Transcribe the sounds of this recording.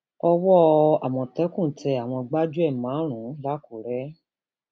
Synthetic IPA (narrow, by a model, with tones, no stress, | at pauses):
ɔ˧wɔ˦a˨w̃ɔ̃˧tɛ˨˦kũ˦˨tʰɛ˧a˨w̃ɔ̃˧ɡ͡ba˦d͡ʒu˦ɛ˦˨mã˨˦ɾ̃ũ˨˦la˦ku˨ɾɛ˨˦